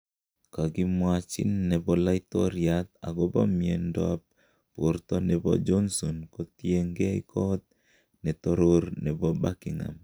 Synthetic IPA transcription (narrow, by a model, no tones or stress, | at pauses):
kaɡimwat͡ʃḭnːɛbɔlait̪ɔɾjat̪̚a̰ɡɔbɔmiendɔ̰ap̚ | poɾt̪ɔnɛbɔ̰d͡ʒɔnsɔnkɔt̪jeŋɡeikʰɔt̪̚ | nɛt̪ɔɾoɾnɛbɔbakɪŋa̰m